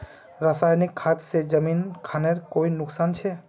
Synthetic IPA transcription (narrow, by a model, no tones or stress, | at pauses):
ɾəsajnikʰːat̪sed͡ʒəminkʰaneɾkoinʊksant͡ʃʰɛ